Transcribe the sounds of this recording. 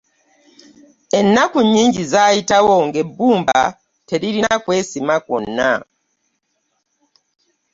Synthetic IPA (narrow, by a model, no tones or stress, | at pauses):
e̞nːakuɲiːɲɟizaːjitawo̞ŋɡe̞bːuːmba̰ | te̞ɾiɾinakweːsimako̰nːa̰